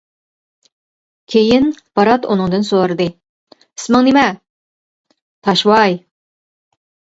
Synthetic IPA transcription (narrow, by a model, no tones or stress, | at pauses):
kʲʰejɪnpɑɾɑt̪onɨŋd̪ɨnsoɾɨd̪ɨ | ɪsmɨŋnemɛ | t̪ʰɑʃwɑj